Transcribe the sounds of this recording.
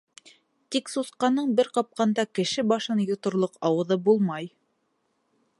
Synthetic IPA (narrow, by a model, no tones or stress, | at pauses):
t̪iksuθqɑnɤɴbɘɾqɑp̚qɑnd̪ɑkɘ̆ʃɘbɑʃɤnjŏt̪ŏɾlˠoqɑwɤ̆ðɤbulˠmɑj